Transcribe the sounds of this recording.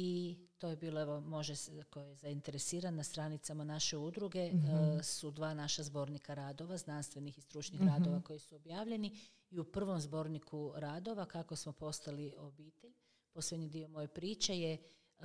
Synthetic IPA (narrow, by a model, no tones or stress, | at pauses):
it̪o̞ːjebiːlˠoeʋo̞mo̞ʒeseko̞jejezaint̪e̞ɾesiːɾannast̪ɾaːnit̪samanaʃe̞ud̪ɾuɡe̞sud̪ʋaːnaʃazbo̞ɾnikaɾaːd̪o̞ʋaznanst̪ʋe̞nixist̪ɾut͡ʃnixɾaːd̪o̞ʋako̞jisuobjaːʋʎe̞ni | iupr̩ʋo̞mzbo̞ɾnikuɾaːd̪o̞ʋakakosmo̞po̞st̪alio̞biːt̪eʎ | po̞sled̪ɲid̪io̞mo̞jepɾiːt͡ʃe̞je